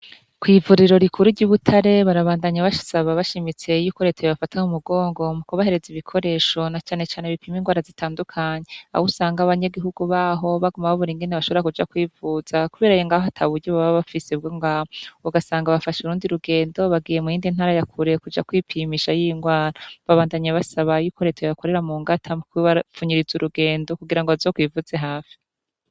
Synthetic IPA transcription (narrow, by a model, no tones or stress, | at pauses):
kwiːvuɾiɾo̞ɾikʰuɾuɾɟuːβutʰaɾe̞βaɾaβaːndaɲaβaʃsaβaβaʃimit͡se̞jukoɾetʰejiβafatahumuɡo̞ːŋɡo̞mukoβahe̞ɾe̞ziβikʰo̞ɾe̞ʃo̞nat͡ʃaːne̞t͡ʃaːneβipʰiːmiŋɡwaːɾazitʰaːndukʰaɲe̞a̰usaːŋɡaβaɲaɡiɦuɡuβaːɦo̞βaɡumaβaβuɾiŋɡe̞neβaʃo̞βoɾakud͡ʒakwiːvuz̥akuβeɾajoŋɡaːɦoatʰaβuɾɟoβaβaβafisebɡoŋɡauɡasaːŋɡaβafaʃuɾuːndiɾuɡe̞ːndo̞βaɡiːje̞mujiːndinhaɾajakʰuɾe̞kud͡ʒa̰kwipʰimiʃajiŋɡwaːɾaβaβaːndaɲeβasaβajukʰoɾetʰojβako̞ɾe̞ɾamuːŋɡatʰamukβafuɲiɾizuɾuɡe̞ːndo̞kuɡiɾaŋɡoazoːkwivuz̥eɦaːfi̥